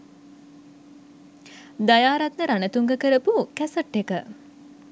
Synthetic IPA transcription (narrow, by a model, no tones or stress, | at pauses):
d̪ajaːɾat̪nəɾanət̪uŋɡəkəɾəpukæsəʈːekə